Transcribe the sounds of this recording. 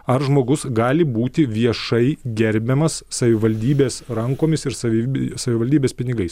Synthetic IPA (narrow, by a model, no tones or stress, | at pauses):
ɐɾʒmoːɡʊsɡɑːlʲɪbuːt̪ʲɪʋʲiɛʃɐɪɡʲɛɾʲbʲɛmɐsːɐʋʲɪʋɐlʲd̪ʲiːbʲeːsɾɐŋkoːmʲɪsɪɾsɐʋʲɪsɐʋʲɪʋɐlʲd̪ʲiːbʲeːspʲɪnʲɪɡɐɪs